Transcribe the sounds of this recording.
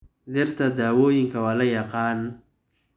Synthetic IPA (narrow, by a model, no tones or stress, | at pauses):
d̪ɪrt̪ʰɐd̪aːwɔːjɪŋkʰɐwaːlɐjɑqaːn